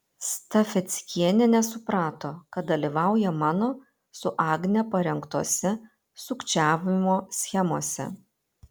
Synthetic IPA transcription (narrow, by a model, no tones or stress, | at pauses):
st̪ɐfʲɛt̪sʲkʲiɛnʲɛnʲɛsʊpɾɑːt̪oːkɐt̪̚d̪ɐlʲiːˑʋɑˑʊjɛmɑːnoː | sʊʔɑːɡnʲɛpɐɾʲɛŋkt̪oɔsʲɛ | sʊkt͡ʃʲæːʋʲɪmoːsʲxʲɛmoɔsʲɛ̰